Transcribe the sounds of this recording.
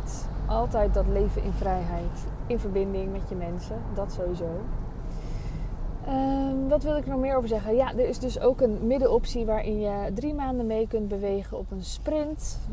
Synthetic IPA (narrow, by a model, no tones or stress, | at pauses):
tʔɑlˠtɛjt̚dɑtlejvənʔɪ̰nvrɛjɦɛjtɪnvəɹbɪndɪŋmɛtjəmɛnsədɑtsowʋizow | əmʋɑtʋɪlˠɪkənɔχmɪːɹowvəɹzɛχəjadəɹɪzdɵsowkənmɪdəɔpsiʋaːɹʔɪnjədrimaːndəmejkɵnt̚bəʋejχənɔpənsprɪnt